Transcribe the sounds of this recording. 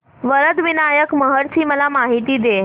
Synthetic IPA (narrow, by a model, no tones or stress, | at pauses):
ʋəɾəd̪ʋinajəkməɦəɾt͡ɕʰiːməlamaɦit̪iːd̪e